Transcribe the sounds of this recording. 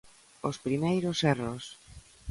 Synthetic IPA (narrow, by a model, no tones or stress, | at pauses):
ospɾimejɾosɛros